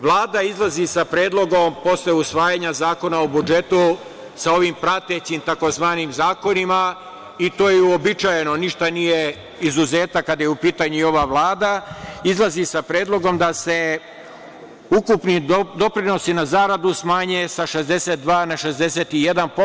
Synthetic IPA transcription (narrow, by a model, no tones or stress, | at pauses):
ʋlˠaːd̪aizlˠazisapɾeːd̪lo̞ɡo̞mpo̞sleusʋaːjaɲazaːko̞naobud͡ʒe̞t̪u | sao̞ʋiːmpɾat̪et͡ɕimt̪ako̞zʋaːnimzaːko̞nima | it̪o̞ːjeuobit͡ʃajeno̞niʃt̪anije̞ | izuze̞ːt̪akad̪ajeupiːt̪aɲuio̞ʋaʋlˠaːd̪aizlˠazisapɾeːd̪lˠo̞ɡo̞md̪ase̞ | ukupnid̪o̞pɾino̞sinazaːɾad̪usmaːɲesaʃe̞zd̪e̞set̪̚d̪ʋaːnaʃe̞zd̪e̞seːt̪ije̞d̪anpo